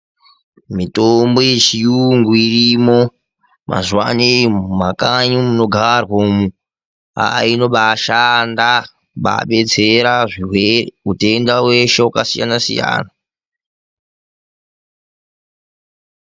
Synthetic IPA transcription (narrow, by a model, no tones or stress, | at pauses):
mitomboit͡ʃijuŋɡuirimo | mʔa̰zwanimakaɲumuno̞ɡʱarwomu | a̰ino̞ɓaʃanda | ɓa̰ɓe̞t͡se̞ɾaʐiweute̞ndawe̞ʃeukasija̰nasḭja̰ːna